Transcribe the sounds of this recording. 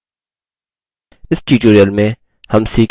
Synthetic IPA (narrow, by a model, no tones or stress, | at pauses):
ɪsʈiːʈuːɾijəlmẽ | hɐmsiːk